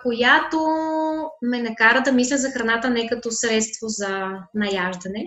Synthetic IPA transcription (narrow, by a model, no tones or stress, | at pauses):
kojat̪o | mɛnɐkaɾəd̪ɐmislʲəzɐxɾɐnat̪ənɛkɐt̪osɾɛt̪st̪vozɐnɐjaʒd̪ɐnɛ